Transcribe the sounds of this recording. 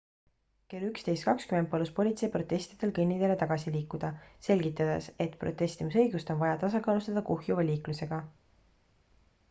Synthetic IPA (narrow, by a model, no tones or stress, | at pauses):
ke̞lykst̪e̞jst̪̚kɑkskymend̪̚pɑluspo̞lʲit̪se̞jpro̞t̪ːˑe̞st̪id̪̥e̞lkɯnʲːid̪̥e̞le̞t̪ɑɡ̥ɑsiliːkːˑud̪̥ɑse̞lʲɡit̪ˑːɑd̪̥e̞̰se̞t̪pro̞t̪ːˑest̪imisɤ̞jɡ̥ust̪o̞nvɑjɑt̪ɑsɑkɑːlust̪ɑd̪̥ɑkuhjuvɑlʲiːkluse̞ɡ̥ɑ